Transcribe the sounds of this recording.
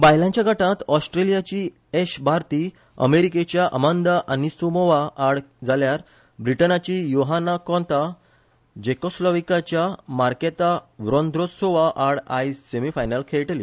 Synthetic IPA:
bajlãɲt͡ɕjaɡʱəʈãt̪ɔsʈɾelijat͡ɕiː | eɕbʱaɾt̪iː | ə̰meɾiket͡ɕjaʔə̰mənd̪aʔanisumɔʋaːɽd͡zaljaɾ | bɾiʈənat͡ɕiːjoɦanakɔ̃nt̪a | d͡ʑekɔslɔʋikat͡ɕjamaɾket̪aʋɾɔ̃nd̪ʱɾosoʋaʔaɽaisemifajnəlkʰeɭʈli

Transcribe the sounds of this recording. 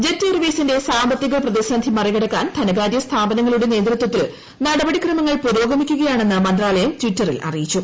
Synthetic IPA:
d͡ʑetːerʋisinde̞saːmbɐt̪ːiɣɐɭprɐðisɐnd̪ʱimɐriɣɐɽɐkːaːnt̪ʰɐnɐɣaːɾjɐst̪ʰaːbɐnɐŋːɐɭuɽe̞ne̞ːd̪rut̪wɐt̪ːil | nɐɽɐbɐɽikrɐmɐŋːɐɭpuɾo̞ːɡɐmikʲːuɣɐjaːɳe̞nːɨmɐnd̪raːlɐjɐmtʋitːɐrḭlʔɐ̰rijit͡ɕːu

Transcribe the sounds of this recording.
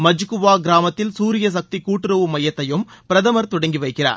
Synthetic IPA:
mɐd͡ʒɯkɯʋaːɡɪɾaːmɐt̪ːɪlsuːɾɪjɐsɐk̚t̪ikːuːʈːɪɾɐʋɯmɐjɐt̪ːɐjɯmpɪɾɐðɐmɐɾt̪ʊɽɐŋɡiʋɐɪkːɪra̰ːɾ

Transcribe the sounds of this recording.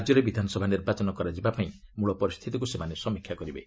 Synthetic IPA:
d͡ʒjɔɾebid̪ʱanɔsɔbʱaniɾbat͡ʃɔnɔkɔɾad͡ʒibapaĩmuɭɔpɔɾist̪ʰit̪ikusemanesɔmikʰjakɔɾibe

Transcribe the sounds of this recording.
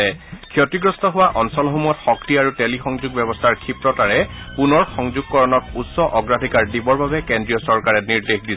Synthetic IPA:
ɛkʰjɔtiɡɹɔstʰɔɦʊwaʔɔnsɔlɦumɔtxɔktiaɹutelixɔŋzuɡ̚bjɛbɔstʰaɹkʰipɹɔtaɹɛpunɔɹxɔŋzuɡ̚kɔɹɔnɔkutsɔʔɔɡɹadʱikaɹdibɔɹbabɛkendɹijɔsɔɹkaɹɛniɹdexdi

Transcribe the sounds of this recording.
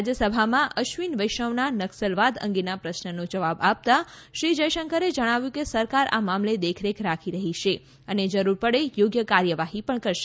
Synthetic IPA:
d͡ʒəsəbʱamãʔəʃʋinʋəjʃəʋnanəksəlʋad̪ə̰̃ŋɡinapɾəʃnənõd͡ʒəʋabap̚t̪aʃɾid͡ʒəjʃəŋkəɾed͡ʒəɽ̃aʋjũkesəɾkaɾa̰mamled̪ekʰɾekʰɾakʰiɾəɦiʃe | əned͡ʒəɾuɾpəɽejoɡjəkaɾjəʋaɦipəɳkəɾʃe̥

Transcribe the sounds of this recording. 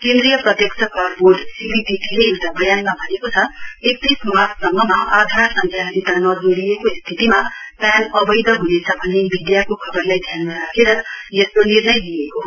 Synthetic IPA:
kẽnd̪ɾijʌprʌt̪jʌksʰʌkʌrborɖsibiʈiʈileeʈabʌjanmabʱʌnekot͡sʰʌek̚t̪ismasʰsʌŋɡʌmaad̪ʱarsʌŋt̪ʰjanit̪anʌd͡zoɾijekost̪ʰit̪imapjanʌbʌjd̪ʌɦunet͡sʰʌbʱʌnːebid̪jakokʰʌbʌrlajd̪ʱjannaɾakʰeɾʌjeslonirnʌjd̪ijeko

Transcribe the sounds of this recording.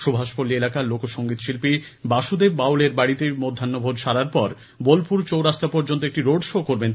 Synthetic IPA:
ʃobʱaʃpolːielakalokoʃoŋɡit̪ʃilpibaʃud̪ebbawleɾbaɽit̪emod̪ʱːanːobʱodʃaɾaɾpɔɾ | bolpuɾt͡ɕowɾaʃt̪apɔɾd͡ʑont̪̬oek̚ʈiɾoɖʃokoɾben

